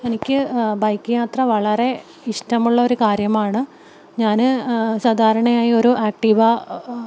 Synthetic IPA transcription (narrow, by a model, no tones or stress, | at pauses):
e̞nikʲːɨbɐjkːɨjaːt̪rɐʋɐɭɐre̞ | iʂʈɐmuɭːɐo̞ɾukaːɾjɐmaːɳɨ | ɲaːnɨsaːd̪ʱaːɾɐɳɐjaːjio̞ɾuʔaːk̚ʈiʋɐ